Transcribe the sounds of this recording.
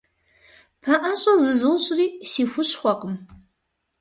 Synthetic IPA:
pʰaʔaɕʷʼazɨzɨlɕʼriːsifʷʊʃχʷaqʼʊm

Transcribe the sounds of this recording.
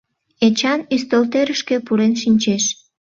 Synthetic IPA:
et͡ɕɑnyst̪olt̪eɾəʃkepuɾenʃinʲt͡ɕeʃ

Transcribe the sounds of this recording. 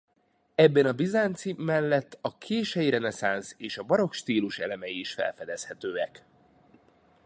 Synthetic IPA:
ɛbːɛnɒbizaːnt̪simɛlːɛt̪ːɒkʰeːʃɛjiɾɛnɛsaːnseːʃɒbɒɾo̞kʃt̪iːluʃɛ̰lɛmɛjiːʃfɛ̰lfɛd̪ɛshɛt̪øːɛk

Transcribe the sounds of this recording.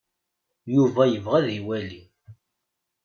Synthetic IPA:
juvæjəvʁæðiwæli

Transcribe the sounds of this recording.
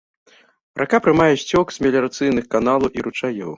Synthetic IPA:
rʔakapɾɨmajɛsʲt͡sʲɔksʲmʲɛlʲɛɾat̪sɨjnɨxkanalˠɐwʔiɾut͡ʂajɔw

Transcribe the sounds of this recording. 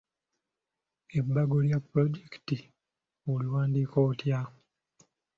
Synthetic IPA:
ebːaɡoljapːɾoɟeki̥ti | oliwaːndiːkoːtja

